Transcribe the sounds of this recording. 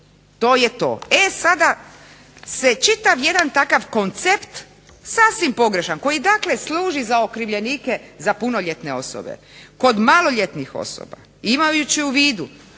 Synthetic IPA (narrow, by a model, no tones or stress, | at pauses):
t̪oːje̞t̪o̞̰ːesad̪a | set͡ʃit̪aʋje̞d̪ant̪akaʋko̞nt̪sept̪ | saːsʋimpo̞ɡɾe̞ʃanko̞jid̪aːkle̞slˠuːʒizao̞kɾiʋʎe̞niːke̞zapuno̞ʎe̞t̪ne̞o̞̰so̰bḛ | ko̞d̪malo̞ʎe̞t̪nixo̰so̰ba̰ | imajut͡ɕiuʋiːd̪u